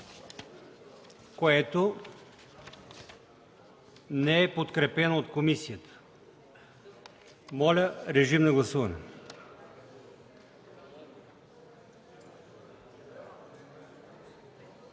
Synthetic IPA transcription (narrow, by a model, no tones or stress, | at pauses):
koɛt̪o | nɛɛpot̪kɾɛpɛnoot̪komisijət̪ə̥ | mɔlʲəɾɛʒimnɐɡlˠɐsuvɐnɛ̰